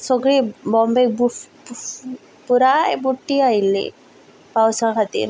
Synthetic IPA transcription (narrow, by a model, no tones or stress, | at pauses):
sɔɡɾibɔmbekbu | puɾabuʈːiajlḛ | pawsakʰat̪ḭɾ